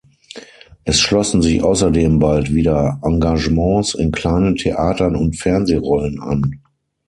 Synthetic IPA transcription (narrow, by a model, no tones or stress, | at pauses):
ʔɛsʃlɔsn̩zɪçʔa̰ʊsɐdeːmbaltv̥iːdɐʔaŋɡaʒəmɑ̃ːsɪnkl̥aɪnəntʰeʔaːtɐnʊntfɛɐnzeːʁɔləna̰n